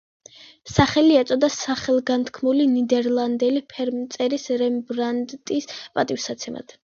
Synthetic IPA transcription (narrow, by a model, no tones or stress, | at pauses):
saχɛliɛt̪sʼɔd̪asaχɛlˠɡant̪ʰkʰmulinid̪ɛɾlˠand̪ɛlipʰɛɾmt̪sʼɛɾisɾɛmbɾand̪t̪ʼispʼat̪ʼifsat̪sʰɛma̰d̪̥